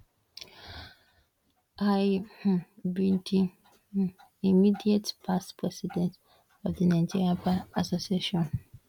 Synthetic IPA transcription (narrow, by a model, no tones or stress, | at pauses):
aj | bĩndĩ | imidietpʰaspʰɹɛsidɛ̃nt | ɔvðənãɪ̃d͡ʒiɹiapaasosieʃɔ̃n